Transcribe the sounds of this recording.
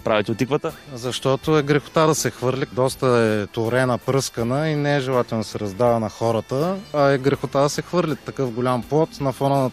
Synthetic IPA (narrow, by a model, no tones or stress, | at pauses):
pɾavit̪ɛot̪ikvət̪əzɐʃt̪ɔt̪ʊɛɡɾɛxo̥t̪ad̪ɐsɛxvɤɾlʲid̪ɔst̪əɛt̪oɾɛnəpɾɤskənəinɛɛʒɛlˠat̪ɛlnd̪sɛɾɐzd̪avənɐxɔɾət̪əːɛɡɾɛxot̪ad̪ɐsɛxvɤɾlʲit̪ːɐkɤfɡolʲamplˠɔt̪nɐfɔnənɐ